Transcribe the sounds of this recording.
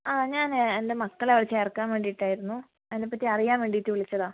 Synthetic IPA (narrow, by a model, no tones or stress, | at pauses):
aːɲaːnende̞mɐkːɐɭɐʋirɐt͡ɕːe̞ːrkːaːnʋeːɳɖijiʈːaːjiɾunːu | ɐðindepːɐtːiɐrijaːnʋe̞ːɳɖiit̪ːiʋiɭit͡ɕːɐðaː